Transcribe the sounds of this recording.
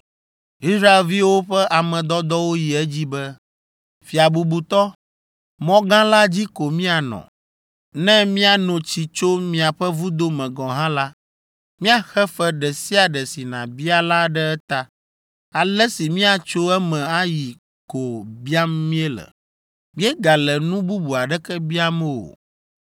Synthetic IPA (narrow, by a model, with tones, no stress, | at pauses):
i˦sɾa˦e˨lvi˦wo˦ɸɛ˦ʔa˨mɛ̃˨d̪ɔ˦d̪ɔ˦wo˦ji˨ɛ˦d͡ʑi˦bɛ˦ | fi˨a˨bu˨bu˨t̪ɔ˦ | mɔ̃˦ɡã˦la˦d͡ʑi˦ko˨mĩ˦a˨nɔ̰̃˨ | nɛ̃˦mĩ˦a˨nɔ̃˨t͡ɕi˨t͡ʃo˦mĩ˦a˨ɸɛ˦vu˦d̪o˦mɛ̃˨ɡɔ̃˨ɦã˦la˦ | mĩ˦a˨xɛ˦fɛ˦ɖɛ˨si˦a˨ɖɛ˨si˨nã̰˨bi˦a˦la˦ɖɛ˦ɛ˦t̪a˦ | a˨lɛ˦si˨mĩ˦a˨t͡ʃo˦ɛ˦mɛ̃˨a˦ji˨ | ko˨bi˦a˦mː˦ĩ˦ɛ˦lɛ̰˨ | mĩ˦ɛ˦ɡa˨lɛ˨nũ˦bu˦bu˨a˨ɖɛ˦kɛ˦bi˦a˦mɛ̃˦wo̰˨